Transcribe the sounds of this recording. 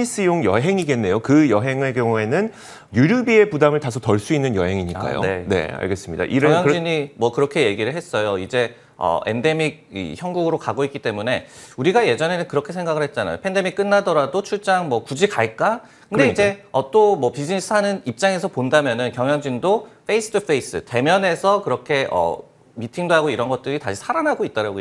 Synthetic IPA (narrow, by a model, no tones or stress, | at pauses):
ɲis͈ɯjoŋjʌɦe̞ŋiɡe̞nːe̞jokɯjʌɦe̞ŋekjʌŋue̞nɯn | juɾjubie̞pudamɯɭtasʰotʌɭs͈uinːɯnjʌɦe̞ŋiɲik͈a̰jo̰ne̞̰a̰ɭɡe̞s͈ɯmɲida̰ʔiɾʌŋjʌŋd͡ʑiɲimwʌkɯɾʌkʰe̞je̞ɡiɾɯɭɦe̞s͈ʌjoid͡ʑe̞ | ʌ̰e̞̰nde̞miɡ̚ḭçjʌŋɡuɡɯɾokaɡoik͈it͈e̞mune̞uɾiɡaje̞d͡ʑʌne̞nɯnkɯɾʌkʰesʰeŋɡaɡɯɭhe̞t̚t͡ɕ͈ana̰jo̰pʰende̞mik͈ɯnːadʌɾadot͡ɕʰuɭt͡ɕ͈aŋmwʌkud͡ʑikaɭk͈a | kɯndeid͡ʑe̞ʌt͈omwʌpid͡ʑinis͈ʰɯhanɯnip̚t͡ɕ͈aŋe̞sʰʌpondamjʌnɯnkjʌŋjʌŋd͡ʑindofʰesʰɯ̥tʰupʰe̞is͈ɯ̰te̞mjʌne̞sʰʌkɯɾʌkʰe̞ʔʌ̰ | mitʰiŋdoɦaɡoiɾʌnɡʌt̚t͈ɯɾitaɕʰi̥sʰaɾanɦaɡoit͈ʌɾaɡo